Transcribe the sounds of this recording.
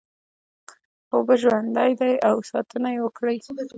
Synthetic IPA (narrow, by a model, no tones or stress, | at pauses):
xobaʒwand̪ajd̪ajawsɑt̪ənajewəkɽəj